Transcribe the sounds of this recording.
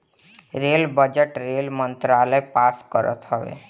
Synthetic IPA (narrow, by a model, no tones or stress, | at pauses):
ɾeːlbəd͡ʒəʈɾeːlmənt̪ɾaːləjpaːskəɾə̰t̪ɦəʋḛ